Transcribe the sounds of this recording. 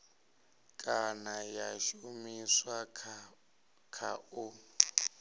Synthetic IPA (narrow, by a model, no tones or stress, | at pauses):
kʼanajaʃumiswa | kʰau